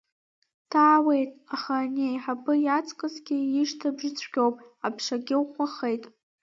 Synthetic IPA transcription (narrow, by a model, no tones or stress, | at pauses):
tʰaːwe̞jtʼaχanejħapʰɨjat͡sʼkʼɨzɡʲɪiʂtʰabʐɨt͡sʷʰɡʲowpʼapʰʂaɡʲɪwχʷaχejtʼ